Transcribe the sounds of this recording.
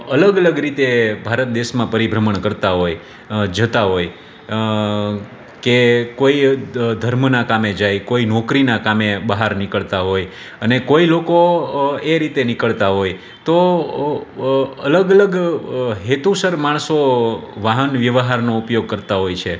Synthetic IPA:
ələɡələɡɾit̪ebʱaɾət̪̚d̪eʃmãpəɾibʱɾəməɳkəɾt̪aɦoj | d͡ʒət̪aɦoj | kekoid̪ʱəɾmnakamed͡ʒajkoinɔkɾinakameɓəɦaɾnɪkəɭt̪aɦoj | ənekoilokoeɾit̪enɪkəɭt̪aɦoj | t̪o | ələɡələɡɦet̪usəɾmaɳ̃soʋaɦənʋjəʋɦaɾnoupjoɡ̚kəɾt̪aɦojt͡ʃʰe

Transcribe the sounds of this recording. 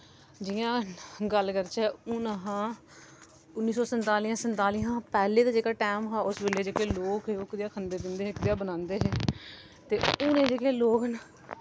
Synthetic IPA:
d͡ʒɪjãːɡəlkəɾt͡ʃɛːuːnaɦãː | ʊnːiːsɔːsənt̪aːliːãːsənt̪aːliːɦãːpɛːleːd̪aːd͡ʒeːkaːʈɛːmɦaːʊsbeːleːd͡ʒeːkeːloːkɦeːʊkd̪ɪjaːkʰənd̪eːd̪ɪnd̪eːɦkd̪ɪjaːbənãːnd̪eːɦɛː | t̪eːʊːnẽːd͡ʒeːkeːloːknaː

